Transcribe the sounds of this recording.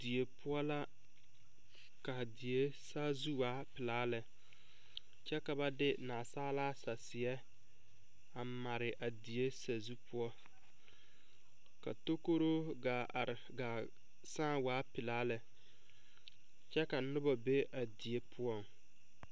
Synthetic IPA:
di˨e˨pʰʊ˦ɔ˦la˦ | ka˨di˨e˦saː˦zu˦waː˨˦pɪ˨laː˦lɛ˨ | t͡ʃɛ˦ka˨ba˦dɪ˦naː˨saː˦laː˦sa˨sɪ˨ɛ˦ | a˨ma˨ɾɪ˨ʔa˨di˨e˦sa˨zu˦pʊ˦ɔ˦ | ka̰˨to˦ko˦ɾo˦ | a˨ɡa˨ | sãː˦˨waː˨˦pɪ˨laː˦lɛ˨ | t͡ʃɛ˦ka˨˦nʊ˦ba˨be˦ʔa˨di˨e˨pʰʊ˦ɔ˦˨ŋ

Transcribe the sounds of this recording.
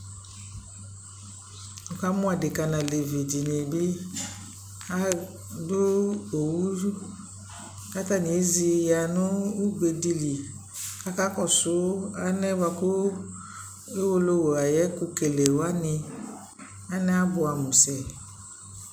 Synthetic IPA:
ɔ˨ka˦mũ˦a˨de˨ka˧nã˨le˨vi˨d͡ʒi˨ne˨bi˦ | a˦ | do˦o˨wu˦ | ka˦ta˦˨ni˨˦zi˧ja˨nʊ̃˦u˦ɡ͡be˧di˧li˨ | ka˦ka˦kɔ˦˨sʊ˨˦a˦nɛ˦wa˧ku˦ | e˦wo˧lo˦wo˨a˨jɛ˦ku˧ke˨le˨wa˦nɪ̃˧ | a˦nɛ˦a˦bʊ˧a˨mũ˨sɛ˨

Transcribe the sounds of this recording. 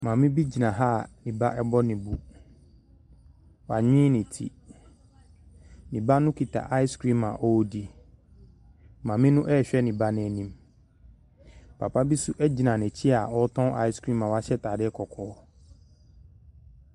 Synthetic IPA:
mãː˨mɪ̃˦bi˦d͡ʑi˨nã˨ɦa˦nĩ˨ba˦ʔɛ˦bɔ˦nɪ̃˨bu˦ | wa˨ɲɪ̃ː˦nɪ̃˨tʰḭ˦ | nĩ˨ba˦nʊ̃˦kʰi˨tʰa̰˨ʔa˦ɪ˦skɾĩ˦mã˨ʔɔ˦di˦ | mãː˨mɪ̃˦nʊ̃˦ʔɛ˦˨ɕᶣɛ˦nĩ˨ba˦nɪ̃˨nĩ˦m | pʰa̰˨pʰa˦bi˦su˦ʔɛ˦d͡ʑi˨nã˨nɛ̃˨t͡ɕʰi˦a˨ɔ˦tʰɔ̃˦a̰˦ɪ˦skɾĩ˦mã˨wa˦ɕɛ˦tʰaː˨dɪ˦kʰɔ˨kʰɔː˦

